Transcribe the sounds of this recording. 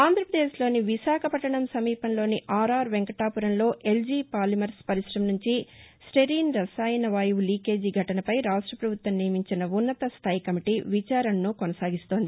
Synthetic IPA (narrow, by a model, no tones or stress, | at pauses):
aːnd̪ʱɾɐpɾɐd̪eːʃlo̞ːniʋiʃaːkʰɐpɐʈːɐɳɐmsɐmiːpɐnlo̞ːniʔaːɾaːɾʋeŋkɐʈaːpuɾɐnlo̞ːʔe̞ld͡ʒiːpaːɾlɐmɐɾspɐɾiʃɾɐmnuɲt͡ʃisʈeɾiːnɾɐsaːjɐnɐʋaːjuʋuliːke̞ːd͡ʒiɡʱɐʈɐnɐpɐjɾaːʂʈɾɐpɾɐbʱut̪wɐmnijɐmiɲt͡ʃinɐunːɐt̪ɐst̪ʰaːjikɐmiʈiːʋit͡ʃaːɾɐnːukonɐsaːɡist̪o̞ːnd̪i